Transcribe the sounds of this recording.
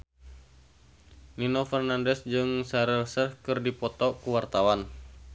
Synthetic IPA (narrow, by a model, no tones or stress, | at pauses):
ninofɛrnandɛsd͡ʒɨŋsaɾəlsərhkɨrdipɔt̪ɔkuwart̪awan